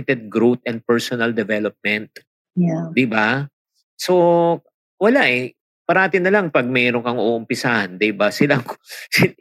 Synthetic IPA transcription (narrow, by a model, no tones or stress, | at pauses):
ɪt̪ɛd̪̚ɡɾot̪̚ʔɛnd̪̚pɛɹsonɐld̪ɛvɛlop̚mɛnt̪̚ | d̪ɪba | so̞ | wɐlaʔɛ | pɐɾaːt̪ɪnɐlɐŋpɐɡ̚mɛɾoŋkɐŋʔoːʔʊmpɪsahɐnd̪ɪbasɪlaŋsɪ